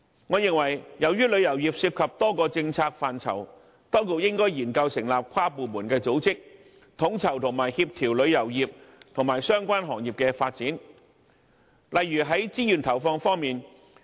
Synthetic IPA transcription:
ŋɔː˨˧jɪ˨ŋwɐ˨˩jjɐ˨wjyː˥lɵ˨˧ɥjɐ˨˩wjiː˨p̚siː˧p̚kʰɐ˨p̚t̪ɔː˥kɔː˧t͡sɪ˧ŋt͡sʰaː˧k̚faː˨nt͡sʰɐ̰˨˩w | t̪ɔː˥ŋko˧k̚jɪ˥ŋkɔː˥jjiː˨˩nkɐ˧wsɪ˨˩ŋlaː˨p̚kʷʰwaː˥puː˨˧muː˨˩nkɛː˧t͡so˨˥wt͡sɪ˥k̚ | t̪ʰʊ˨˥ŋt͡sʰɐ˨˩wt̪ʰʊ˨˩ŋmaː˨˩jhiː˧p̚t̪ʰiː˨˩wlɵ˨˧ɥjɐ˨˩wjiː˨p̚t̪ʰʊ˨˩ŋmaː˨˩jsœː˥ŋkʷaː˥nɦɔː˨˩ŋjiː˨˩p̚kɛː˧faː˧t̚t͡siː˨˥n | lɐ˨jːyː˨˩ɦɐ˨˥jt͡siː˥jyː˨nt̪ʰɐ˨˩wfɔː˧ŋfɔː˥ŋmiː˨n

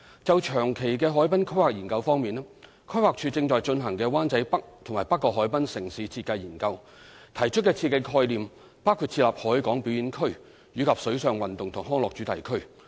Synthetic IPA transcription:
t͡sɐ˨wt͡ʃʰœː˨˩ŋkʰe˨˩jkɛː˧ɦɔː˨˥jpɐ˥nkʰɵ˥ɥwaː˨k̚jiː˨˩nkɐ˧wfɔː˥ŋmiː˨nɛ˥ | kʰɵ˥ɥwaː˨k̚t͡ʃʰyː˧t͡sɪ˧ŋt͡ʃɔː˨jt͡ʃɵ˧nɦɐ˨˩ŋkɛː˧waː˥nt͡sɐ˨˥jpɐ˥k̚t̪ʰʊ˨˩ŋmaː˨˩jpɐ˥kːɔː˧ɦɔː˨˥jpɐ˥nsɪ˨˩ŋsiː˨˥t͡sʰiː˧t̚kɐ˧jːiː˨˩nkɐ˧w | t̪ʰɐ˨˩jt͡ʃʰɵ˥t̚kːɛː˧t͡sʰi˧kɪ˧˩kʰɔː˧jliː˨m | paː˥wkʰu˨˧t̚t͡sʰiː˧tlaː˨p̚hɔː˨˥jkɔː˨˥ŋpi˨˥wjiː˨˥nkʰɵ˥ɥ | jyː˨˧kʰɐ˨p̚sɵ˨˥ɥsœː˨˧ŋwɐ˨nt̪ʊ˨ŋt̪ʰʊ˨˩ŋɦɔː˥ŋlɔː˨k̚t͡ʃyː˨˥t̪ɐ˨jkʰɵ˥ɥ

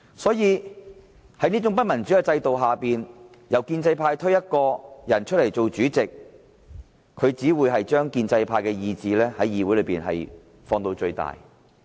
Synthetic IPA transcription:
sɔː˨˥jiː˨˧ | hɐ˨˥jniː˥t͡ʃʊ˨˥ŋpɐ˥t̚mɐ˨˩nt͡sy˨˥ɛ˧t͡sɐ˧jt̪o˨wɦaː˨˩piː˨n | jɐ˨wkiː˧nt͡sɐ˧jpʰaː˧jt̪ʰɵ˥ɥjɐ˥t̚kɔː˧jɐ˨˩nt͡ʃʰt̚lɐ˨˩jt͡so˨wt͡ʃyː˨˥t͡sɪ˨k̚ | ɵ˨˧ɥt͡siː˨˥wuː˨˧jɦɐ˨jt͡ʃœː˥ŋkiː˧nt͡sɐ˧jpʰaː˧jkɛː˧jiː˧t͡siː˨lɛː˥hɐ˨˥jːiː˧wu˨˥lɵ˨˧˥piː˨˩nɦɐ̰˨j | fɔː˧ŋt̪o˧wt͡ʃɵ˧ɥt̪a̰ː˨˩j

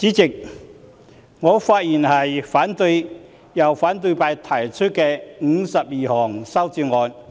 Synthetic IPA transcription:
t͡siː˨˥t͡sɪ˨k̚ | ŋɔː˨˧faː˧t̚ji˨˩nhɐ˨jfaː˨˥nt̪ɵ˧j | jɐ˨˩wfaː˨˥nt̪̬ɵ˧jpaː˧jt̪ʰɐː˨˩t͡ʃʰɵ˥t̚kɛː˧ŋ̩˨˧sɐ˨p̚jiː˨˩hɔː˨˩ŋsɐ˥wt͡siː˧ŋɔː˨˧n

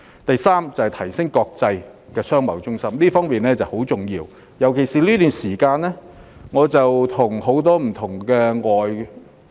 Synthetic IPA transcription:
t̪ɐ˨jsaː˥mt͡sɐ˨˩hjt̪ʰɐ˨˩jsɪ˥ŋkɔː˧k̚t͡sɐ˧jkɛː˧sœː˥ŋmɐ̰˨˥wt͡sʊ˥ŋsɐ˥mliː˥fɔː˥ŋmiː˨nlɛː˥t͡sɐ˨who˨˥wt͡sʊ˨ŋjiː˧w | jɐ˨˩wkʰe˨˩jsiː˨liː˥t̪yː˨nsiː˨˩kaː˧nɛ˥ŋɔː˨˧t͡sɐ˨wt̪ʰʊ˨˩ŋho˨˥wt̪ɔː˥m̩˨˩t̪ʰʊ˨˩ŋkɛː˧ŋɔː˨˩j

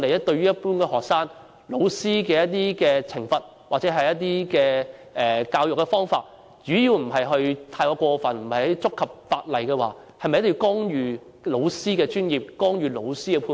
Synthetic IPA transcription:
le˨˩jɐ˥t̚t̪ɵ˧ɥyː˥jɐ˥t̚puː˥nkɛː˧hɔː˨k̚saː˥ŋ | lo˨˧˥wsiː˥kɛː˧jɐ˥t̚t̪̬iː˥kɛː˧t͡sʰɪ˨˩ŋfɐ˨t̚ | waː˨˩t͡sɛ˨˥ɦɐ˨jɐ˥t̚t̪̬iː˥kɛː˧ʔɛː˨˩kaː˧wjʊ˨kːɛ˧fɔː˥ŋfaː˧t̚ | t͡ʃyː˨˥ji˧wm̩˨˩ɦɐ˨jɦɵ˧ɥt̪ʰaː˧jkɔː˧kʷɔː˧fɐ˨nm̩˨˩hɐ˨˩jt͡sʊ˥kʰːɐ˨p̚faː˧t̚lɐ˨˩jkɛː˧wa̰ː˨ | hɐ˨jmɐ˨jɐ˥tjkɔː˥ŋjyː˨˧ | lo˨˧wsiː˥kɛː˧t͡ʃyː˥njiː˨˩p̚kɔː˥ŋjyː˨˧lo˨˧wsiː˥kɛ˧pʰuː˧

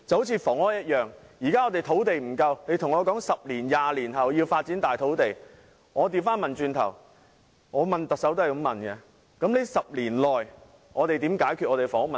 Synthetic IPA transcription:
t͡sɐ˨˧who˨˥t͡sʰiː˨˧fɔː˨˩ŋɔː˥jɐ˥t̚jœː˨ŋjiː˨˩kaː˥ŋɔː˨˧t̪e˨˩jt̪ʰo˨˥wt̪e˨jm̩˨˩kɐ˧wne˨˧jt̪ʰʊ˨˩ŋɔː˨˧kɔː˨˥ŋsɐ˨p̚liː˨˩njaː˨˧liː˨˩nɦɐ˨wji˧wfaː˧t̚t͡si˨˥nt̪aː˨jt̪ʰo˨˥wt̪e˨j | ŋɔː˨˧t̪iː˨˧˩wfaː˥nmɐ˨nt͡ʃyː˧nt̪ʰɐ̰˨˩w | ŋɔː˨˧mɐ˨nt̪ɐ˨k̚sɐ˨˥wt̪o˥ɐ˨˩kɐ˧mɐ˨nkɛ˧ | kɐ˨˥mle˨˥sɐ˨p̚liː˨˩nlɔː˨j | ŋʔɔː˨˧t̪e˨jt̪iː˨˥mkaː˨˥jkʰyː˨t̚ʔɔː˨˧t̪e˨˩fɔː˨˩ŋɔ˥mɐ˨

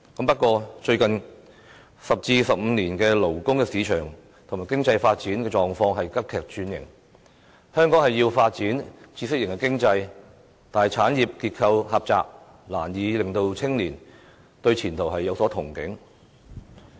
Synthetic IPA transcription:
kɐ˨˥mpɐ˥t̚kʷɔː˧t͡ʃɵ˧ɥkɐ˨n | sɐ˨p̚t͡siː˧sɐ˨p̚m̩˨˧niː˨˩nkɛː˧lo˨˩wkʊ˥ŋkɛː˧siː˨˧t͡ʃʰœː˨˩ŋ | t̪ʰʊ˨˩maː˨jkɪ˥ŋt͡sɐ˧jfaː˧t̚t͡siː˨˥nkɛ˧t͡ʃɔː˨ŋfɔː˧ŋɦɐ˨jkɐ˥p̚kʰɛː˨k̚t͡ʃyː˨˧njɪ̰˨˩ŋ | hœː˥ŋkɔː˨˥ŋhɐ˨jːiː˧wfaː˧t̚t͡siː˨˥nt͡sʰiː˧sɪ˥k̚jɪ˨˩ŋkɛː˧˥kɪ˥ŋt͡sɐ˧j | t̪aː˨nhɐ˨jt͡sʰaː˨˥njiː˨p̚kiː˧t̚kʰɐ˧whɐ˨p̚t͡sa̰ː˨k̚ | la̰ː˨˩njiː˨˧lɪ˨˩ŋt̪o˧wt͡sʰɪ˥ŋliː˨˩n | t̪ɵ˧ɥt͡sʰiː˨˩nt̪ʰo˨˩wɦɐ˨jːɐ˨˧wsɔː˨˥t̪ʰʊ˨˩ŋkɪ˨˥ŋ

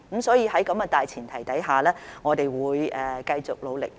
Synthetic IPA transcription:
msɔː˨˥jiː˨˧hɐ˨˥jkɐ˨˥mɡɐː˧t̪aː˨jt͡sʰiː˨˩nt̪ʰɐ˨˩jt̪ɐ˨˥jɦaː˨lɛː˥ŋɔː˨˧t̪e˨jwuː˨˧jɛː˨kɐ˧jt͡sʊ˨k̚lo˨˧wlɪ̰˨k̚

